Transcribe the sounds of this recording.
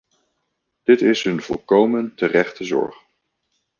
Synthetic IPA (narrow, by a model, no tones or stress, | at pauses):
d̥ɪtɪsɦɵnvɔ̰lˠkowməntərɛχtəzɔ̰ɹχ